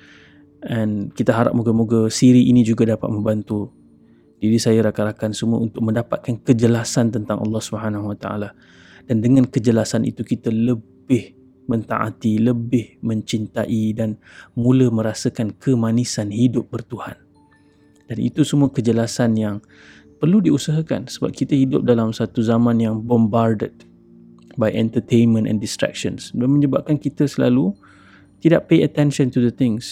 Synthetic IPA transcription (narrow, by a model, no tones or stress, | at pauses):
ankit̪aɦaɾa̰p̚muɡamuɡasiɾiʔinĩd͡ʒuɡadapa̰t̪̚mə̃mbant̪u | diɾisajaɾakaɾakansəmua̰unt̪ʊk̚mə̃ndapat̪̚kankəd͡ʒəlasant̪ənt̪aŋʔɑ̰lːɑhsubəɦanaɦwat̪a̰ʔa̰la | d̥andəŋãnkəd͡ʒəlasanʔḭt̪ukit̪aləbɪh | mə̃nt̪a̰ʔa̰t̪iləbɪhmə̃ɲt͡ʃint̪aʔidan | mũləmə̃ɾasəkankʰəmanisanhidʊp̚bərt̪uhan | d̥anḭt̪usəmũakəd͡ʒəlasanjaŋ | pərludiusaɦaka̰nsəba̰p̚kit̪əhidʊp̚dalamsat̪uzamãnjaŋbɔmbardə̰d̚ | bajʔɛnt̪ət̪ejnmə̃nɛ̰̃ndist̪ɾɛ̰k̚ʃə̰nsdanmə̃ɲəbap̚kankit̪əsəla̰lu | t̪idaʔpejət̪ɛnʃə̃nt̪udət̪ɪ̃ŋs